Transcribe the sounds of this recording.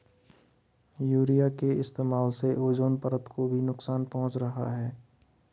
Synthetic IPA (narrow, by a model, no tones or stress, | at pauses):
juːɾijakeɪst̪eːmaːlseʔoːd͡ʒoːnpəɾət̪kobʱinʊksaːnpɐɦʊ̃t͡ʃɾɐɦa̰ɦɛː